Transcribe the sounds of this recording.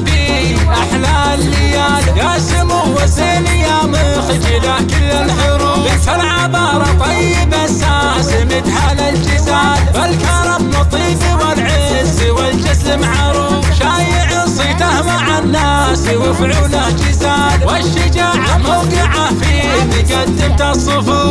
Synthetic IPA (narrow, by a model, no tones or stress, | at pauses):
bi | ʔaħlaː | lːɪjaːljaːsɪmʊwazeːnɪjaːmɪ | xd͡ʒɪlakɪlːalħʊɾuːbɪnt̪alʕabɑːɾˤɑt̪ˤɑjːɪbasaː | sɪmɪd̪haːlald͡ʒɪzaːlbalkɑɾˤɑbnɑt̪ˤiːbiwalʕɪ | ziwɪld͡ʒɪs | mʕaɾˤuːfʃaːjɪʕɪsˤit̪ahmaʕanːaː | s | wɪfʕuːlahd͡ʒɪzaːlwaʃːɪd͡ʒaːʕamawqɪʕafiʔɪnːiɡad̪ːɪmt̪asˤːɨfu